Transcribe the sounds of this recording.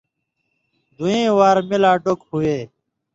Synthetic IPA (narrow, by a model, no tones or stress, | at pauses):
d̪ʱuẽːwaːɾmɪlaːɖokɦueː